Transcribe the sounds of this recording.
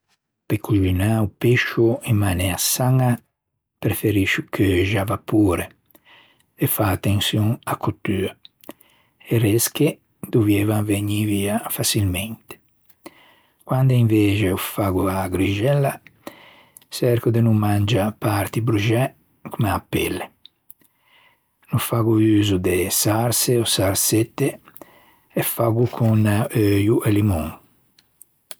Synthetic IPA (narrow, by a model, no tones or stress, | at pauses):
pekuʒinaupeʃuimːanɛasaŋa | pɾefeɾiʃukʰeʒavapuːɾe | efaːt̪ːensjuŋakʰot̪ːya | eɾeske | d̪uvjɛvaŋveɲiviafasilmɛnt̪e̥ | kwand̪aiɱveːt͡ʃeufaɡuaɡɾid͡ʒɛlːa | sɛɾkud̪enumːand͡ʒapaɾt̪ibɾud͡ʒɛ | kumeapːḛlːe | nufaɡuyːzud̪esaɾseosaɾset̪ːe | ɛfaɡukʰunaøjuʔelimuŋ